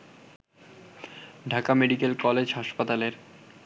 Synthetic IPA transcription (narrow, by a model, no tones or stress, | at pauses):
ɖʱakameɖikelkɔled͡ʑɦaʃpat̪aleɾ